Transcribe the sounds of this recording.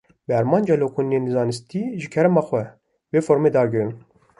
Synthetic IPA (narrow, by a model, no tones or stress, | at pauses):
bɛæɾmɑːnd͡ʒɑloːkʰunienɨzɑːnɨst̪iːʒɨkʰɛɾɛmɑːxʷɛ | veːfoːɾmeːd̪ɑːɡɨɾɨn